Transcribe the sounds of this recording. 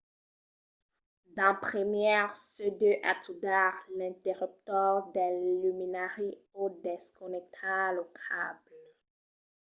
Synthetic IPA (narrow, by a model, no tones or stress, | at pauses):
d̪ɑ̃pχəmjɛʁsød̪øʔat̪ʰud̪aʁlɛ̃t̪eʁyp̚t̪ɔʁd̪ɛlyminaʁi | od̪ɛskɔnɛk̚t̪ʰalɔkʰabl